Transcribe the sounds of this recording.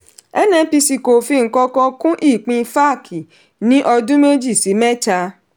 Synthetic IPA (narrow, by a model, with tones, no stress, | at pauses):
ɛ˦nɛ̃˧˦pi˧si˨ko˨fi˧ŋ̩˨kɔ˧kɔ̃˧kũ˦ʔi˦˨k͡pĩ˧fa˦˨kʰi˨ | nĩ˨˦ʔɔ˧dũ˦me˦d͡ʒi˦˨si˨˦mɛ̃˦t͡ʃa˧